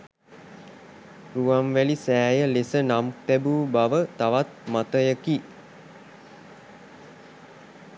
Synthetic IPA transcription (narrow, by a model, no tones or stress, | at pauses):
ruamʋælisæːjəlesənamt̪æbuːbaʋət̪aʋat̪̚mat̪əjəki